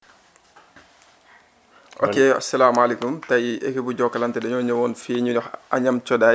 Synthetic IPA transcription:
ʔɔ̰kːeːɐ̰sɐlaːmalekumtɐjiʔɛkibuɟɔkːɐlɐntɛdɐɲɔːɲɐwɔːnfiːɲuɔxɐɲɐmt͡ʃɔda

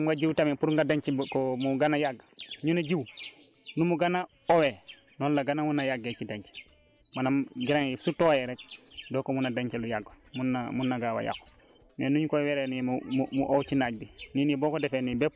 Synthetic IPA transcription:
ŋɡaɟiwtamipuɾŋɡadaɲt͡ʃikɔmuɡanajaɡːaɲunaɟiw | numuɡana | owe | nɔlːaɡanamunajaɡet͡ʃidaɲt͡ʃe̥ | manamɡiɾaŋjisutojɛɾɛk̚dɔkomunadaɲt͡ʃelujaɡo | munamunːaɡawa̰ja̰kːo̥ | menuɲkoweɾeniumumuʔowt͡ʃinaɟ̚bininibɔːkɔdefenibɛp

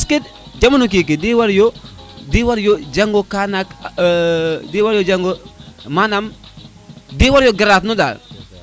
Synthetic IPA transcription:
askid | d͡ʒamanuk̬ik̬idiwaɾjo | diwaɾjod͡ʒaŋɡokanak | diwaɾjod͡ʒaŋɡomanam | diːwaɾjoɡaɾatnuda̰l

